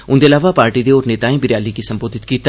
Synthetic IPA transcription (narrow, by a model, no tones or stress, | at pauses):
ʊnd̪elaːʋapaːɾʈid̪eɔːɾneːt̪aːẽbɪɾjaːlikisɐ̃mboːd̪ʱɪt̪kiːt̪